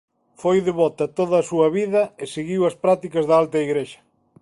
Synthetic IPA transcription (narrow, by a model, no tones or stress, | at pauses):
fojðeβɔt̪ɐt̪oð̞ɐːsuɐβiðɐeseɣiwɐspɾat̪ikɐzðɐalt̪ɐiɣɾeʃɐ̥